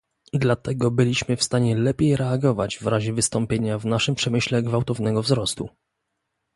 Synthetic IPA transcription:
d̪lat̪ɛɡɔbɘlʲiɕmɘfst̪aɲɛlɛpʲjejɾɛaɡɔvad͡ʑvɾaʑɛvɘst̪ɔmpʲjeɲavnaʂɘmpʂɛmɘɕlɛɡvawt̪ɔvnɛɡɔvzɾɔst̪ṵ

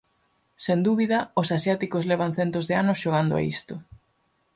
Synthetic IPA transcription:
send̪uβiðɐosasjat̪ikozlɛβ̞aŋ̟θɛnt̪ozðeanʊsʃoɣ̞and̪ʊa̰ḭst̪ʊ

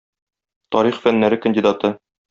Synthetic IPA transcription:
t̪ɒɾiχfænːæɾɘkə̆nʲdʲid̪ɑt̪ɤ

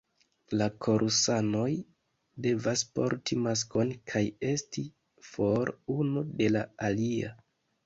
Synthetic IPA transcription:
lakʰo̞ɾʔusano̞j | de̞vaspo̰ɾtʰimas̬ko̞nkʰaje̞sti | fo̞ɾunude̞laalia

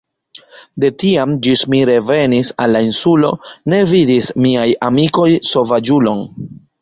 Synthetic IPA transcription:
de̞tiamd͡ʒismiɾe̞ve̞nisalːainsulo̞̰ne̞vidismiajamiko̞jso̞vad͡ʒulo̞n

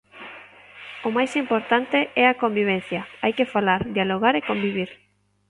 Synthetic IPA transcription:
omajsimpoɾt̪ant̪eɛakombiβ̞ɛn̟θjaajkefalaɾd̪jaloɣ̞aɾekombiβ̞iɾ

